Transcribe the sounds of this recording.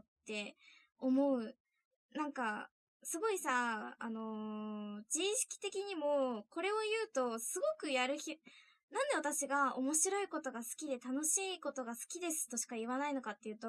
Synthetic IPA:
t̪ːe̞ | omo̞ɯ̟ | nãŋka | sɨɡo̞isa̰ːno̞ | d͡ʑiːɕi̥kʲi̥t̪e̞kʲiɲ̟imo̞ko̞ɾe̞o̞jɯ̟ːt̪o̞sɨɡo̞kɯ̟jaɾɯ̟çʲi | nãnd̪e̞βat̪aɕiɡao̞mo̞ɕiɾo̞iko̞t̪o̞ɡasɨ̥kʲid̪e̞t̪ano̞ɕiːko̞t̪o̞ɡasɨ̥kʲid̪e̞sɨ̥t̪ːo̞ɕi̥kaiβanaino̞kat̪ːe̞jɯ̟ːt̪o

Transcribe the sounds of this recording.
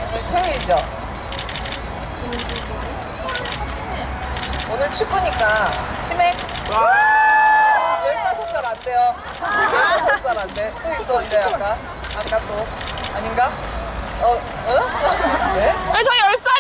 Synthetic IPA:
ʌt͡ɕʰeiid͡ʑo | onɯɭt͡ɕʰuk͈uɲik͈a | t͡ɕʰime | jeɭtasʰʌs͈aɾat͈ʰejo | jeɭtʰasʰʌs͈aɾant͈ʰet͈ois͈ʌntʰeak͈a | ak͈at͈o | aɲimɡa | ʌ | ʌ | neet͡ɕʌiʌɭs͈a

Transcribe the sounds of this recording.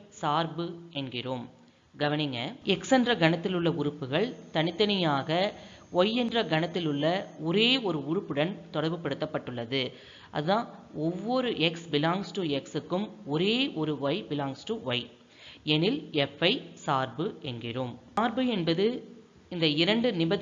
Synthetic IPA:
saːɾbɯɛnɡɪroːm | ɡɐʋɐnɪŋɡɐɛksɛndrɐɡɐɳɐt̪ːɪlɯɭːɐʊɾɯpːɯɣɐɭt̪ɐnɪt̪ːɐnɐjaːɣɐ | ɔjːɛndrɐɡɐnɐt̪ːɪlɯɭːɐɔɾeːɔɾɯʊɻɯpːɯɽɐnt̪ɔɽɐɾʋɯpːɐɽɯt̪ːɐpːɐʈːɯɭːɐðɯ | ʔɐ̰ðɯðãːɔʋːɔɾɯʔɛksbɪlaːŋsʈɯɛksɯkːɯmɔɾeːʔɔɾɯʋɐɪbɪlaːŋsʈɯʋɐɪ | ɛnɪlɛfɐɪsaːɾbɯɛnɡɪroːmaːɾbɯɛnbɐðɯ | ɪnd̪ɐɪɾɐɳɖɯnɪbɐ

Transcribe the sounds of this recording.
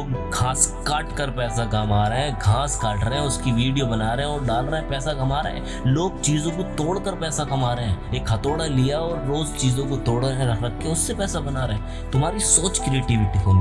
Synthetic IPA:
loːɡɡʱãːskaːʈkəɾpɛːsaɡaːmaːɾəɦɛ̃ɡʱãːskaːʈɾeɦɛ̃ʊskiʋiːɖijobɐnaːɾeɦɛ̃ɔːɾɖaːlɾəɦɛ̃pɛːsakɐmaːɾɐ̰ɦɛ̰̃ː | loːɡ̚t͡ʃiːzõkot̪oːɽkəɾpɛːsakɐmaːɾeɦɛ̃ːeːkhɐt̪oːɽalijaɔːɾːoːzt͡ʃiːzõkot̪oːɽeɦɛ̃ɾɐɾɐkʰːeʊsːepɛːsabɐnaːɾeɦɛ̃ː | t̪ʊmɦaːɾisoːt͡ʃkɾɪeːʈiʋɪʈikõm

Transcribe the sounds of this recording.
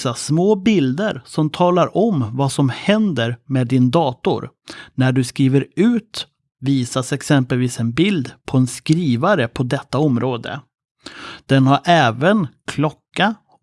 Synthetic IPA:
asmoːbɪld̪əɾsɔmt̪ʰɑːlaɾʔɔmvasɔmhɛnd̪əɾmɛːd̪ɪnd̪ɑːt̪ʊ̰ɾ | næɖɵskɾiːvəɾʉ̟ːt̪ | viːsasɛksɛmpəlviːsɛnbɪld̪pʰɔɛnskɾiːvaɾəpʰɔd̪ɛt̪ːaɔmɾoːd̪ə̰ | d̪̥ɛnhaɾʔɛːvənkʰlɔkːa

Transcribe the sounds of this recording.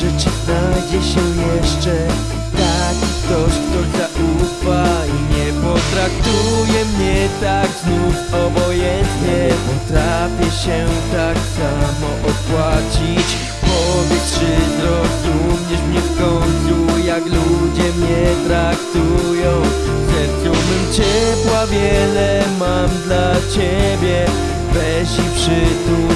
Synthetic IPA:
ʐɛt͡ɕiznajd͡ʑɛɕɛjɛʂt͡ʂɛ | t̪akʲikt̪ɔɕt̪ɔzaʔufaiɲɛpɔt̪ɾak̚t̪ujɛmɲɛt̪aɡznufɔbɔjɛnt̪ɲɛpɔt̪ɾafʲjɛɕɛt̪aksamɔʔɔpwat͡ɕit͡ɕ | pɔvʲjɛkʂɘzɾɔzumɲɛʂmɲɛfkɔɲpujaklud͡ʑɛmɲɛt̪ɾakt̪ujɔ̃w̃ | t̪ɛt̪umɨmt͡ɕɛpwavʲjɛlɛmamd̪lat͡ɕebʲjɛ | bɛ | ʑipʂɪt̪u

